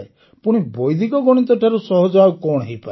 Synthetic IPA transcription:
e | puɽ̃ibojd̪ʱikɔɡɔɽ̃it̪ɔʈʰaɾusɔɦɔd͡ʒakɔɽ̃ɦejpa

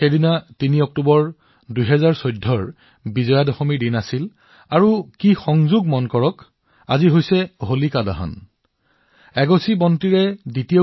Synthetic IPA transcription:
xedinatiniɔk̚tubɔɹ | dujɦɛzaɹsojdʱːɔɹ | bizɔjadɔxɔmiɹdinasil | aɹukixɔŋzuɡmɔnkɔɹɔk | a̰ziɦojsɛɦolikada̰ɦɔ̰n | ɛɡosibɔntiɹɛditijo

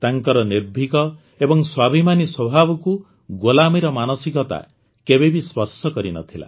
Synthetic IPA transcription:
t̪aŋkɔɾɔnebʱikɔ | ebɔŋswabʱimaniswɔbʱabɔku | ɡolamiɾɔmanɔsikɔt̪a̰ | kebebispɔɾsɔkɔɾinɔ̰t̪ʰila̰

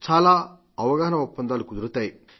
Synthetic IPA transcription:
t͡ʃaːlaː | ɐʋɐɡaːɦɐnɐupːɐnd̪aːlukud̪uɾut̪aːji

